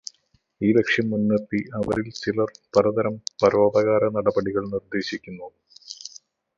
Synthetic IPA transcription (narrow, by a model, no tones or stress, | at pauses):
iːlekʂjɐmːunːert̪iɐʋɐ̰ɾilt͡ɕilɐrpɐɾɐd̪ɐɾɐmpɐɾoːd̪ɐɣaːɾɐnɐɽɐbɐɽiɣɐɭnird̪e̞ːɕikʲːunːɐ